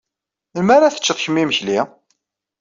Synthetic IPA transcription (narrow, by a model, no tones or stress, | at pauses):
lmaɾaθə̥t͡ʃːəðˤçəmːiməçli